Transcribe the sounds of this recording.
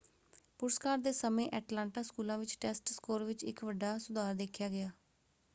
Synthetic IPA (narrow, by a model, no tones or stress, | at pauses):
pʊɾəskaːɾd̪eːsəmẽːʔɛːʈlãːɳʈaːskuːlãːʋɪt͡ʃʈɛːsʈskoːɾʋɪt͡ʃɪ̰kʋəɖːaːsʊd̪aːɾd̪eːkʰjaːɡɪjaː